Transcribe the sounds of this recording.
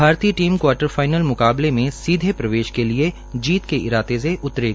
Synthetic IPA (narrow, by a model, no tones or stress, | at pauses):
bʱaːɾt̪iːəʈiːmkwaːɾʈəɾfaːɪnəlmʊkaːblemẽsiːd̪ʱepɾɐʋeːʃkelie | d͡ʒiːt̪keɪɾaːt̪es̬eʔʊt̪ːɾe